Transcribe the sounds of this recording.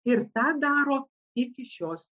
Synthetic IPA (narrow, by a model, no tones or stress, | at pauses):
ɪɾt̪ɑːd̪ɑːɾoː | ɪkʲɪʃʲoːs